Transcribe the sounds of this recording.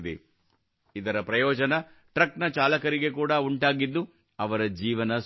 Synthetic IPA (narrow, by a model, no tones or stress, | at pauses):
d̪e | id̪ɐɾɐpɾɐjɔːd͡ʒɐnɐ | ʈɾɐknɐt͡ʃaːlɐkɐɾiɡe̞kuːɽɐuɳʈaːɡid̪ːu | ɐʋɐɾɐd͡ʒiːʋɐnɐ